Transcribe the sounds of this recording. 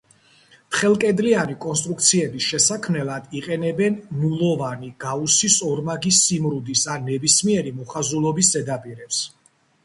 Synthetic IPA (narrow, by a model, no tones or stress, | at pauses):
t̪χɛlˠkʼɛd̪lianikʼɔnst̪ʼɾuk̚t̪sʰiɛbisʃɛsakʰmnɛlˠad̪̥iqʼɛnɛbɛnmulˠɔvaniɡ̥ausisɔɾmaɡisːimɾud̪isanːɛbismiɛɾimɔχazulˠɔbis̬zɛd̪apʼiɾɛps